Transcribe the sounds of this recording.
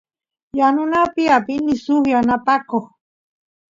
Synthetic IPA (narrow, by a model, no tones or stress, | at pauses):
janʊnapiapinɪsʊxjanapakox